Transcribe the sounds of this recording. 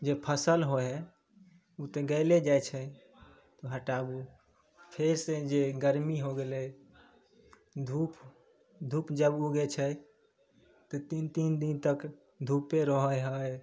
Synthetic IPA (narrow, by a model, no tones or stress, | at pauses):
d͡ʒepʰəsəlɦoɦɛ | ut̪eɡəled͡ʒajt͡ʃʰə | t̪ɔɦəʈabu | pʰeɾsed͡ʒeɡəɾmiɦoɡelɛ | d̪ʱup | d̪ʱupd͡ʒəbuɡɛt͡ʃʰə | t̪ɔt̪int̪ind̪int̪ək | d̪ʱupeɾəɦəjɦəj